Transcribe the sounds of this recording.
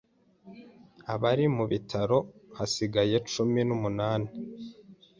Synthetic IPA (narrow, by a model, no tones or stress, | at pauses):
aβaɾimuβitʰaɾo̞hasiɡaje̞t͡ʃuminumunaːni